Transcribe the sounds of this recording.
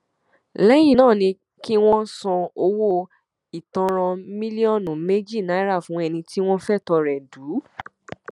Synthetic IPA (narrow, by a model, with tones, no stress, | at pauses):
lɛ˦j̃ĩ˦˨nãː˦˨nĩ˧ | ki˦w̃ɔ̃˦sɔ̃˧o˧wo˦ | i˨tɔ̃˧ɾ̃ɔ̃˧mĩ˦li˦ɔ˦˨nũ˨me˦d͡ʒi˦˨na˨˦ɾa˦˨fũ˨˦ɛ˧nĩ˧ti˦w̃ɔ̃˦fɛ˦˨tɔ˧ɾɛ˨duː˨˦